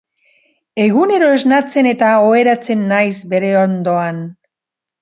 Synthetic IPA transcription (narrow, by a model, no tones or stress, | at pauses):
e̞ɣune̞ɾo̞e̞znat͡se̞ne̞t̪aoeɾat͡se̞nːajzbe̞ɾe̞ond̪o̞an